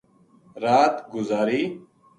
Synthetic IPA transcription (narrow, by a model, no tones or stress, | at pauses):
ɾaːt̪ɡʊzaːɾiː